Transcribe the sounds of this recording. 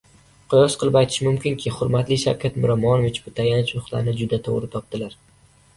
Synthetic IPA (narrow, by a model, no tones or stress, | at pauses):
qʰʊjɒsqʰɨlˠɪpajt̪ʰɪ̥ʃɪmʊmkʲʰɪŋkʲʰɪχʊɾmat̪lɪʃa̰wkʰʲat̪mʊɾamɒnvɪt͡ʃbʊt̪ʰajanɪt͡ʃʊχtlˠa̰ɾnɪd͡ʒʊd̪at̪ʰo̰ʁɾɪt̪ʰɒp̚t̪ɪlaɾ